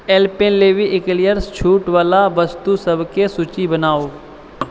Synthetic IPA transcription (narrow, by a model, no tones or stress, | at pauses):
ɛːlpẽnleːʋiʔɪklijəɾst͡ʃʰuːʈʋaːlaʋəst̪usəbʱkesut͡ʃibənaːoː